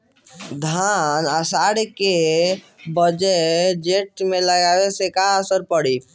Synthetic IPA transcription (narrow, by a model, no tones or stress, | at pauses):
d̪ʱanəsaːɽke | bəd͡ʒəd͡ʒeʈmẽləɡawesekaəsəɾpəɽiː